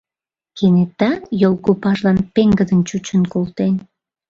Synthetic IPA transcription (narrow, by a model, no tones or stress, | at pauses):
kenet̪ːɑjolkopɑʒlɑnpeŋɡəd̪ənt͡ɕut͡ɕənkolt̪en